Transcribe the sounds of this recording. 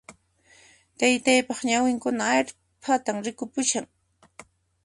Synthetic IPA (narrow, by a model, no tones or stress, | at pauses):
t̪ajt̪ajpɑχɲawɪŋkʊnaːʎ | pʰat̪amɾɪkʊpʊʃaŋ